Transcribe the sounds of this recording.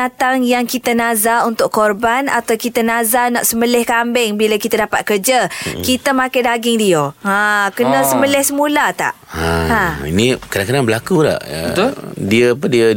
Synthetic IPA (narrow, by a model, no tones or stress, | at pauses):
at̪aŋjaŋkit̪anazaunt̪ʊkɔrbana̰t̪awkit̪anazanaʔsəməlɪhkambɛŋbilakit̪adapat̪̚kərd͡ʒakit̪əmãkajdaɡɪŋdioãkənə̃səməlɛhsəmulat̪a̰ʔaaḭnikədaŋkədaŋbəlakula̰ʔ | diəpədiə